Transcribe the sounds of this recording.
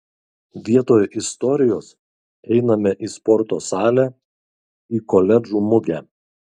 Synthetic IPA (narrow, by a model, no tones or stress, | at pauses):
ʋʲiɛt̪oːjʔɪst̪ɔɾʲɪjoːs | ɛɪnɐmʲɛʔispɔɾt̪oːsɑːlʲæ | iːkɔlʲɛd͡ʒuːmʊɡʲæː